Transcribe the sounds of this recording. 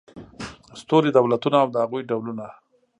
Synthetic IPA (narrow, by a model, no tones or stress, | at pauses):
st̪oɾid̪awlat̪unaːwd̪əhaɣujɖawluna